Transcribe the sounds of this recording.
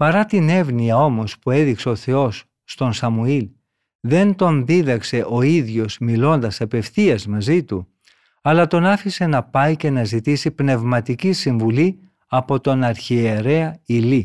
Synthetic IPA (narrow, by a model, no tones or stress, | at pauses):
pɐɾɐt̪ine̞vniɐo̞mo̞spue̞ðikse̞o̞θe̞o̞sː | t̪o̞nsɐmuil | ðe̞nt̪o̞nðiðɐkse̞ʔo̞iðʝo̞z̥milo̞nd̪ɐsɐpe̞fθiɐzmɐzit̪u | ɐlɐt̪o̞nɐfise̞nɐpɐjce̞nɐzit̪isipne̞vmɐt̪icisiɱvuli | ɐpo̞t̪o̞nɐɾçieɾe̞ɐili